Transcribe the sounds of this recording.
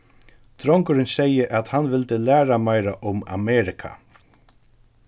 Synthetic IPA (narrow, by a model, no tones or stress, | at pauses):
t̪ɾɔŋkʊɾɪnsɛjəʔat̪hanʋɪlt̪əlæːɾamajɾaʔʊma̰mɛːɾɪkʰa̰